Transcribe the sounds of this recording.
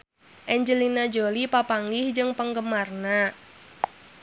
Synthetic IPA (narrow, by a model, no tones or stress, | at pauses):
ʔɛɲd͡ʒəlinad͡ʒolipapaŋɡɪhd͡ʒɨŋpəŋɡəmarna